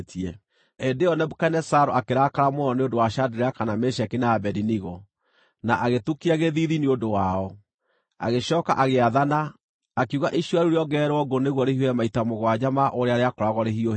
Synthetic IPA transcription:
tʰiɛ | endeɔnɛbokɛnɛsaɾoakeɾakaɾamoɔneondowaɕadeɾeakanameʃɛkinaabɛdiniɣɔ | naʔaɣetukiaɣeðiðineondowaɔ | a̰ɣeɕɔːka̰ʔaɣeaðanaː | kiuɣaʔiʃiɔaɾuɾeɔɡɛːɾwɔɡoneɣwɔɾehiwɛmaitamoɣwad͡ʑamaʔoɾeaɾeakɔɾaɣɔɾeɦio

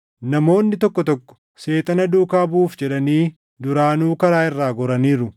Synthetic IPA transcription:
nɐmo̞ːnːɪt̪ɔkːɔt̪ɔkːɔ̥ | se̞ːt̪ʼɐnɐd̪uːkaːbuːfd͡ʒɛᶑɐniː | d̪ʊɾaːnuːkɐɾaːɪrːaːɡɔɾɐniːɾʊ

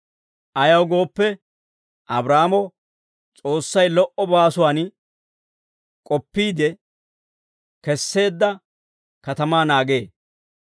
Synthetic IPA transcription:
ʔɐjɐwɡo̞ːpːɛ | ʔɐbɾaːmɔ | t͡sʼo̞ːsːɐjlɔʔɔbaːsʊwaːn | kʼɔpːiːd̪ɛ | kɛsːe̞ːd̪ːɐ | kɐt̪ɐmaːnaːɡe̞ː

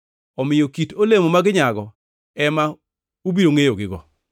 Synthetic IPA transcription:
ɔmɪjokitolemomaɡɪɲaɡɔ | ɛma | ubiɾoŋejoɡɪɡɔ̰

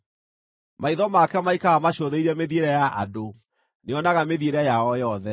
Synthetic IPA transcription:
maiðɔmakɛmaikaamaɕoðeiɾɛmeðieɾɛjaʔa̰do | neɔnaɣameðieɾɛjaɔjɔðɛ

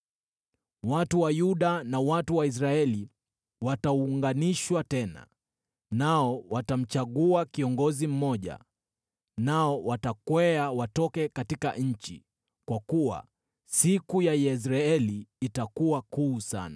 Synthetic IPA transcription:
watuwajuɗanawatuwais̬ɾaɛli | watauŋɡaniʃwatɛna̰ | naɔwatam̩t͡ʃaɠuakiɔŋɡɔzim̩mɔʄa̰ | naɔwatakwɛawatɔkɛkatika̰ʔɲ̩t͡ʃḭ | kwakuwa̰ | sikujajɛs̬ɾaɛliːtakuwakuːsa̰na

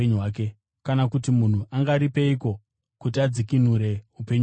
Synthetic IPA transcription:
eɲuaːke̞ | kanakutimun̤uʔaŋɡaɾipe̞iko̞ | kutiad͡zikin̤uɾe̞upe̞ɲu

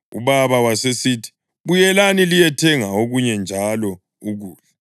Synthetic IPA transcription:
ṵβaβawasesiːtʰi̥ | βujɛlanilijɛtʰɛŋaoɣuɲɛnd͡ʒʱalɔ | uɣuːlɛ

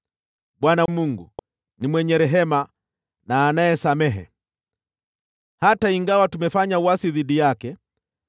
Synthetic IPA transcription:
ɓwanamuŋɡṵ | nimwɛɲɛɾɛɦɛma | naːnaɛsamɛɦɛ̰ | hataiŋɡawatumɛfaɲawasiðiɗijakɛ

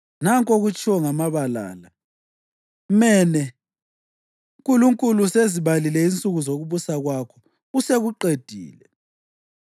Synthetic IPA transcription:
naŋkʼoɣut͡ʃʼiwɔŋamaβala̰ːla | mɛnɛ | uŋkʼuluŋkʼuluseziβalilɛint͡sʼuɣuzoɣuβusaɣwakʰɔ | useɣuǃed̥ʱḭːlɛ

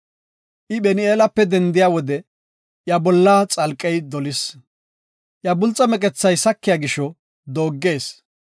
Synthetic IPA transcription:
ʔɪbɛnɪeːlɐpːɛd̪ɛnd̪ɪjaːwɔd̪ɛ | ʔjabɔlːat͡sʼɐlkʼːɛjd̪ɔlɪs | ʔjabʊlt͡sʼːɐmɛkʼɛt͡sːɐjsɐkːɪjaːɡɪʃɔ | d̪o̞ːɡːe̞ːs

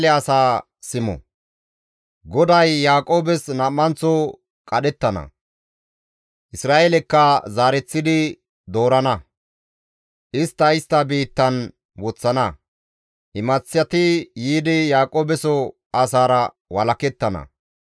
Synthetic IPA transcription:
lɛɐsaː | sɪmɔ̰ | ɡɔd̪ɐjːaːkʼo̞ːbɛsnɐmːɐnt͡sːɔ | kʼɐɗɛt̪ːɐnɐ̰ | ʔɪsɾaːʔɛlɛkːɐzaːɾɛt͡sːɪd̪ɪ | d̪o̞ːɾɐnɐ | ʔɪst̪ːɐɪst̪ːɐbiːt̪ːɐn | wɔt͡sːɐnɐ | ʔɪmɐt͡sːɪjɐt̪ɪjiːd̪ɪjaːkʼoːbɛsɔ | ʔɐsaːɾɐ | wɐlɐkɛt̪ːɐnɐ̰

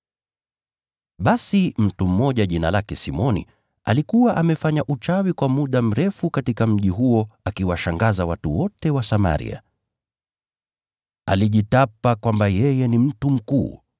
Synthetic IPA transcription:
ɓasim̩tum̩ːɔʄaʄinalakɛsimɔnḭ | a̰likuwaʔamɛfaɲaʔut͡ʃawikwamuɗam̩ɾɛfukatikam̩ʄiɦuɔakiwaʃaŋɡazawatuwɔtɛwasama̰ɾḭa̰ | a̰liʄitapakwambajɛjɛnim̩tum̩kṵː

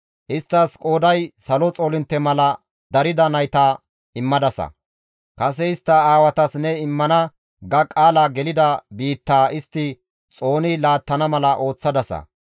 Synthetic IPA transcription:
ʔɪst̪ːɐskʼo̞ːd̪ɐjsɐlɔt͡sʼoːlɪnt̪ːɛmɐlɐ | d̪ɐɾɪd̪ɐnɐjt̪aː | ɪmːɐd̪ɐsɐ̰ | kɐsɛɪst̪ːɐaːwɐt̪ɐsnɛɪmːɐnɐ | ɡɐkʼaːlaɡɛlɪd̪ɐbiːt̪ːaːɪst̪ːɪ | t͡sʼo̞ːnɪlaːt̪ːɐnɐmɐlɐʔo̞ːt͡sːɐd̪ɐsɐ̰

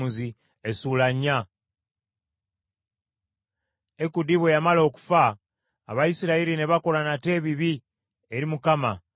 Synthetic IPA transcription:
uzi | esulaɲːa | e̞kudiβwe̞jamalo̞ku̥fa̰ː | βajisiɾaiɾineβako̞lanate̞ːβiβi | e̞ɾimukama

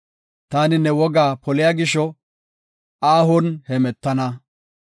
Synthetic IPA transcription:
t̪aːnɪnɛwɔɡaːpʰɔlɪjaːɡɪʃɔ | aːhɔnhɛmɛt̪ːɐnɐ

